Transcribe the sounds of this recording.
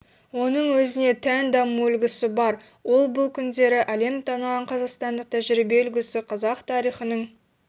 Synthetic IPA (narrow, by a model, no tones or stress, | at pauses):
wo̞nəɴwɵzɪne̞t̪ʰænd̪ɑmuʏlɡʲɪsɪbɑɾ | wo̞lˠbʊlˠkʲʰʏnd̪e̞ɾɪʔɑle̞mt̪ʰɑnɑʁɑɴqʰɑzɑqst̪ɑnd̪əq̚t̪ʰæʒɪɾijbe̞ɵlɡʲɪsɪqʰɑzɑqt̪ʰɑɾijχənəɴ